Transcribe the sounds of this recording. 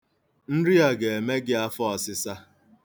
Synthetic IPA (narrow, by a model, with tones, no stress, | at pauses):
n̩˦ɾɪ˦a˨ɡe˨e˨me˦ɡɪ˦a˦fɔ˦ɔ˨sɪ˦sa˦